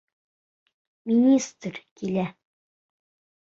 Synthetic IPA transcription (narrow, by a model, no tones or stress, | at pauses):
mʲinʲist̪rkʲilʲæ